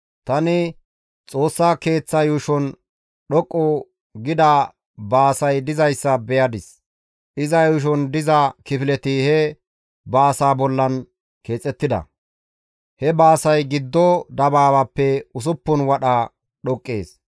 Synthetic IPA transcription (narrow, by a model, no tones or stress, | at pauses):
t̪ɐnɪ | t͡sʼo̞ːsːaːke̞ːt͡sːɐjuːʃɔn | ɗɔkʼːɔ | ɡɪd̪a | baːsɐjd̪ɪzɐjsːɐbɛjɐd̪ɪs | ʔɪzɐjʊːʃ̬ɔnd̪ɪzɐkɪfɪlɛt̪ɪhɛ | baːsaːbɔlːɐn | ke̞ːt͡sʼːɛt̪ːɪd̪ɐ̰ | hɛbaːsɐjɡɪd̪ːɔd̪ɐbaːbɐpːɛʊs̬ʊpːʊnwɐɗɐ | ɗɔkʼːeːs